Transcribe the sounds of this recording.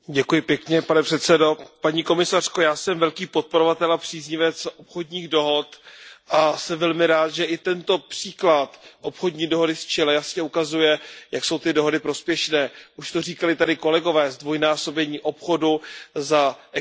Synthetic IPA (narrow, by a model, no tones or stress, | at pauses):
ɟɛkujɪpjɛkɲɛpanɛpr̝̥ɛt̪sɛdo̞paɲiːko̞mɪsar̥ko̞jaːsɛmvɛlkiːpo̞t̪̚po̞ɾovat̪ɛlapr̝̥iːzɲɪvɛt͡sʔopxo̞dɲiːɣdo̞ɦo̞t̪ʔasɛmvɛlmɪɾaːt̪ʒɛʔɪt̪ɛnt̪o̞pr̥iːklat̪ʔo̞pxo̞dɲiːdo̞ɦo̞dɪst͡ʃɛlɛjasɲɛukazujɛjakso̞wt̪ɪdo̞ɦo̞dɪpɾo̞spjɛʃnɛːʔuʃt̪o̞riːkalɪt̪adɪko̞lɛɡo̞vɛːzdvo̞jnaːso̞bɛɲiːʔopxo̞duzaɛ